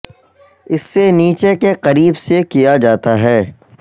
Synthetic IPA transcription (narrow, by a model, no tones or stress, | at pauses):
ɪsːeniːt͡ʃekeqɐɾiːbsekijad͡ʒaːt̪aɦɛː